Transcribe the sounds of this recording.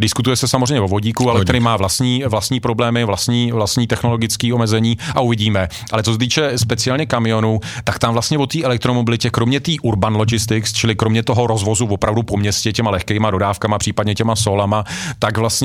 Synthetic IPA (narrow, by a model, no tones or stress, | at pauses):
dɪskut̪ujɛsɛsamozrɛjɲɛvovo̞ɟiːkualɛt̪ɛdɪmaːvlast̪ɲiːvlast̪ɲiːpɾo̞blɛːmɪvlast̪ɲiːvlast̪ɲiːt̪ɛxno̞lo̞ɡɪt͡skiːo̞mɛzɛɲiːʔauvɪɟiːmɛ | ʔalɛt͡sos̬ɛt̪iːt͡ʃɛspɛt͡sɪalɲɛkamɪjo̞nut̪akt̪amvlast̪ɲɛvo̞t̪iːʔɛlɛk̚t̪ɾomobɪlɪcɛkɾo̞mɲɛt̪iːʔuɾbanlod͡ʒɪst̪ɪkst͡ʃɪlɪkɾo̞mɲɛt̪o̞ɦo̞ɾo̞zvo̞zuvo̞pɾavdupo̞mɲɛscɛcɛmalɛxkɛjmado̞daːfkamapr̥iːpadɲɛcɛmaso̞lamat̪aɡvlast̪ɲɛ